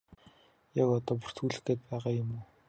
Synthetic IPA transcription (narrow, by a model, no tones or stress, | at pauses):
jakɔt̪ɔːp̬ur̥t̪xuːɮɘ̆xɡeːt̪̚pæːʁaːjʊmuː